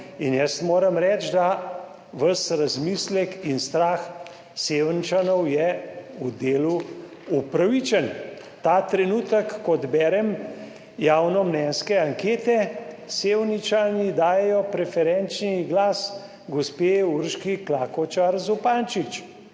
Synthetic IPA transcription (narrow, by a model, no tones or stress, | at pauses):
injɛst̪moːɾɐmɾɛːt͡ʃd̪a | ʋəsɾazmislɛkinst̪ɾaːx | seːwnit͡ʃanɔwjɛud̪eːlu | upɾaʋit͡ʃən | t̪aːt̪ɾɛnuːt̪əkːɔd̪bɛːɾɛm | jaːwnɔmnɛnskɛaŋkeːt̪ɛseːwnit͡ʃanid̪aːjɛjɔpɾɛfɛɾɛnt͡ʃniɡlaːs | ɡospeuɾʃkiklaːkɔt͡ʃaɾzupaːnt͡ʃit͡ʃ